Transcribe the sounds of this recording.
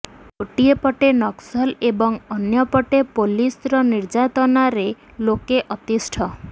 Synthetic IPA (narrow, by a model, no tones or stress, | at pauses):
koʈiepɔʈenɔksɔlebɔŋɔnjɔpɔʈepolisɾɔniɾd͡ʒat̪ɔnaɾe | lokeʔɔt̪isʈʰɔ